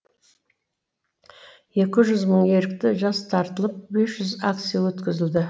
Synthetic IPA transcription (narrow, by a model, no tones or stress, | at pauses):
je̞kʲɪʒʏzməɴje̞ɾɪk̚t̪ɪʒɑst̪ʰɑɾt̪əlˠəp̚be̞sʒʏzak̚t̪sijawɵt̪kʲɪzɪld̪ɪ